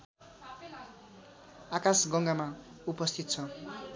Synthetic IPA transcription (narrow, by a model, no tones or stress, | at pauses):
akasɡʌŋɡamaupʌst̪ʰit̪̚t͡sʰʌ